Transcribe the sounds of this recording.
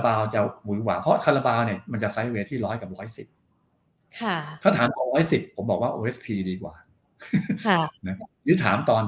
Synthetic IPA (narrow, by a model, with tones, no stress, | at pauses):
baː˧wt͡ɕa˨˩wu˨˩˦kwaː˨˩pʰɾɔ˦˥t̪ʰa˧la˧baː˧wni˥˩ma˧nt͡ɕa˨˩sa˦˥jweː˧t̪ʰiː˥˩lɔː˦˥jka˨˩p̚ɾɔː˦˥jsi˨˩p̚ | kʰa˥˩t̪ʰaː˥˩t̪ʰaː˩˦mt̪ɔː˧˩ɾɔː˦˥jsi˨˩pʰːo˩˦mbɔː˨˩k̚waː˥˩ʔoː˧ʔe˦˥spʰiː˧diː˧kwa̰ː˨˩˥ | na˦˥klɯ˦˥t̪ʰaː˩˦mt̪ɔː˧n